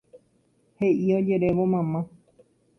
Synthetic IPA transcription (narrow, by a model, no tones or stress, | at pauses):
he̞ʔiod͡ʒe̞ɾeʋomãmã